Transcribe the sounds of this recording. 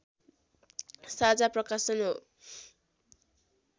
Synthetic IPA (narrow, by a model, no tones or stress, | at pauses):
sad͡zaprʌkasʌnɦo